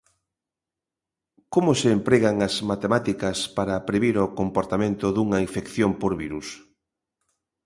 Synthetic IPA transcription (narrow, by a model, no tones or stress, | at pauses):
komoseːmpɾeɣaŋɐzmat̪emat̪ikɐspaɾɐpɾeβiɾɔkompoɾt̪amẽnt̪ʊðuŋɐiɱfekθjompoɾβiɾus